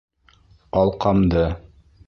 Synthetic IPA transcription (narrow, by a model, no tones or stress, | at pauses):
ɑlˠqɑmd̪ɤ